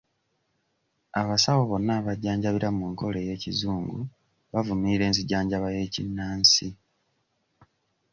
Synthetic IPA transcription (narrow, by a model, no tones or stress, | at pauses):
aβasawoβo̞nːaβaɟːaːɲɟaβiɾamuːŋko̞le̞je̞ːcizuːŋɡṵ | βavumiːɾe̞ːnziɟaːɲɟaβaje̞ːcinːaːnsi